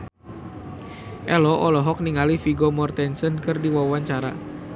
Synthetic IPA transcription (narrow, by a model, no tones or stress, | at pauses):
ʔɛlɔʔɔlɔɦɔk̚niŋalifiɡɔmɔrt̪ɛnsənkɨrdiwawaɲt͡ʃaɾa